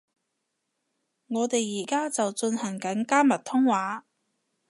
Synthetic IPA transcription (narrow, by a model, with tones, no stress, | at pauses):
ŋɔː˨˧t̪e˨jːiː˨˩kaː˥t͡sɐ˨wt͡sɵ˧nhɐ˨˩ŋkɐ˨˥nkaː˥mɐ˨t̚t̪ʰʊ˥ŋwaː˨˥